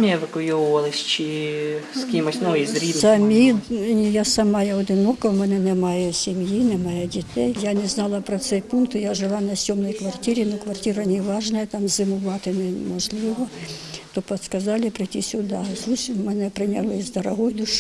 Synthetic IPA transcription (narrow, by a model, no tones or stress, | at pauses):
mʲijɛʋɪkʊjuʋʊʋɐlˠɪsʲt͡ʃɪskʲimɔsʲnɔjizɾʲizɐmʲinʲijasɐmɑjɛɔd̪ɪnɔkɐmɛnɛnɛmɑjɛsʲimjinɛmɑjɛdʲit̪ɛjjanɛznɑlˠɐpɾɔt̪sɛjpunkt̪jaʒɪlˠɑnɐsʲɔmnɔjkʋɐrtʲiɾʲinɐkʋɐrtʲiɾɐnʲiʋɑʒnɐjɐt̪ɑmzɪmʊʋɑt̪ɪnɛmɔʒlˠɪʋɔt̪ɔpɔt̪skɐzɑlʲɪpɾɪtʲisʲʊd̪asusʲmɛnɛpɾɪnʲɐlˠɪzd̪ɐɾɐɦɔjd̪ʊʃ